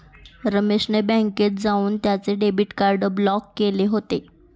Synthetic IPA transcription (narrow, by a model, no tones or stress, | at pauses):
ɾəmeʂnebɛ̃ŋket̪̚d͡zauːnt̪jat͡seɖebiʈkaɾɖəblɔkːeleɦot̪e